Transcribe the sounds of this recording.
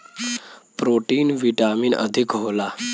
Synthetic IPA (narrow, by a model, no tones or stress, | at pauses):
pɾoʈiːnʋiʈamiːnʔə̰d̪ʱikɦola